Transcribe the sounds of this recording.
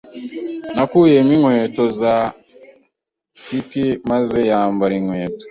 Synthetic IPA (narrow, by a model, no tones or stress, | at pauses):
nakujemiŋweːtoza | tikimazejaːmbaɾiŋweːto̥